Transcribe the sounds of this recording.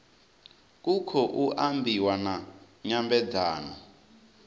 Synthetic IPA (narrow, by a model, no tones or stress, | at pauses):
k̬ukʰɔʔuʔambʱiwana | ɲambɛd͡zaːnɔ